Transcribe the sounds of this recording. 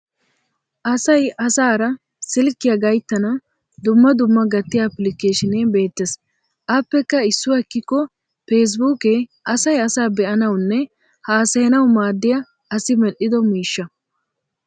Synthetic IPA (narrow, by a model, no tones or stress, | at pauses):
ʔɐsɐjɐsaːɾɐ | sɪlkːɪjɐɡɐjt̪ːɐnɐ | d̪ʊmːɐd̪ʊmːɐɡɐt̪ːɪjɐːpːlɪkeːʃɪneːbe̞ːt̪ːes | ʔɐːpːɛkːɐɪsːʊwɐkːɪkːɔ | feːs̬buːkeʔɐsɐjɐsaːbɛʔɐnɐwnːɛ | haːsɛɛnɐwmaːd̪ːɪjɐ | ɐsɪmɛʔɪd̪ɔmiːʃːɐ